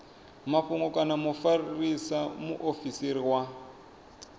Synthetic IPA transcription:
maɸuŋɡɔkʼanamufaririsamuʔofisiɾiwa

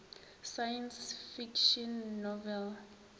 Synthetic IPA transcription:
sajɛ̃nsfikʃɔ̃nːɔvɛl

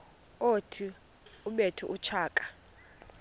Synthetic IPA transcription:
otʰi | uɓetʰṵʔut͡ʃʰaːkʼḁ

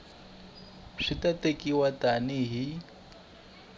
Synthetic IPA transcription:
ʂitʼatʼekʼiwatʼanɪɦi

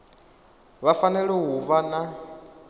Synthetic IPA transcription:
βafanɛɺɛɦuvana

